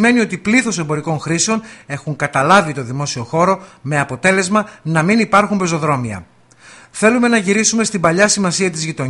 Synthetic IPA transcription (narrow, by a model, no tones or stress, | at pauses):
me̞nio̞t̪ipliθo̞se̞mbo̞ɾiko̞ŋxɾiseo̞ne̞xuŋkɐt̪ɐlɐvit̪o̞ðimo̞sio̞xo̞ɾo̞me̞ɐpo̞t̪e̞le̞zmɐnɐminipɐɾxumbezo̞ðɾo̞miɐ̰ | θe̞lume̞nɐʝiɾisume̞st̪imbɐʎɐsimɐsiɐt̪izʝit̪o̞